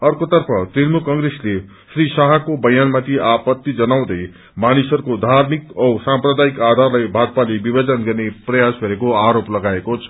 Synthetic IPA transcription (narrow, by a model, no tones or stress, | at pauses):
ʌrkot̪ʌrpʰʌt̪rinmukʌŋɡresle | srisaɦʌkobʌjanmat̪ʰiʔapʌt̪ːid͡zʌnaw̃d̪ʌj | manisʌɾukod̪ʱarmikʌsamprʌd̪aikad̪ʱarlajbʱad̪̚palebibʌd͡zʌnɡʌrneprʌjasɡʱʌɾekoaɾoplʌɡaekot͡sʰʌ̥